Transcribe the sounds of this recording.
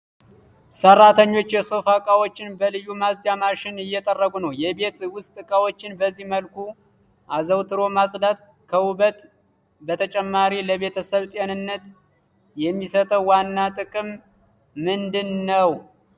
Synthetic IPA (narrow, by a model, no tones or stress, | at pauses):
sərːat̪ʰəɲːo̞t͡ʃːjɛso̞fakʼawo̞t͡ʃːɪnbəlɨjumazd͡ʒ̪amaʃɪnɪjːɛt̪ʼərːəɡunəwjɛbe̞t̪wʊst̪ʼɨkʼawo̞t͡ʃːɪnbəzːihməlkʰu | ʔazəwt̪ʰɨɾo̞masʼd̪at̪ | kʰəwubət̪ | bət̪ʰət͡ʃʼɛmːaɾiləβe̞t̪ʰəsəβt̪ʼjenɨnːət̪ | jɛmːisət̪ʼəwwanːat̪ʼɨkʼɨmː | ɨnd̪ɨnːəw